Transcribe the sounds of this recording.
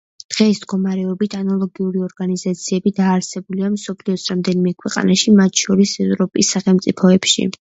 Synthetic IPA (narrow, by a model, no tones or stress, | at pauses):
d̪̥ʁɛismɡɔmaɾɛɔbit̪ʰanalˠɔɡiuɾiɔɾɡanizat̪sʰiɛbid̪aːɾsɛbuliamsɔpʰliɔsʰɾamd̪ɛnimɛkʰwɛqʼa̰naʃimat̪ʰʃɔɾisɛvɾɔpʼisːaχɛlˠmt̪sʼipʰɔɛpʃḭ